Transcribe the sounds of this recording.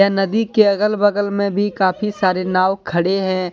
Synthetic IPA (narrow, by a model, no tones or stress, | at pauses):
janɐd̪ikeɐɣəlbəɡəlmẽbʱikaːpʰisaːɾenaːʋkʰɐɽeɦɛ̃